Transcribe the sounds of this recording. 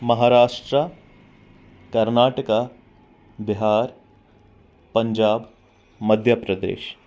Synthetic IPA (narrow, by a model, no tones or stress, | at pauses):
mɐɦaːɾaːʂʈɾa | kɐɾnaːʈəka | bɪɦaːɾ | pɐɲd͡ʒaːb | mɐd̪ʱjəpɾɐd̪ḛːʃ